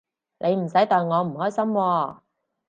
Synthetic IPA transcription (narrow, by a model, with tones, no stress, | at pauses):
nʔe˨˧jm̩˨˩sɐ˨˥jt̪ɔː˨jŋɔː˨˧m̩˨˩hɔː˥jsɐ˥mwɔː˧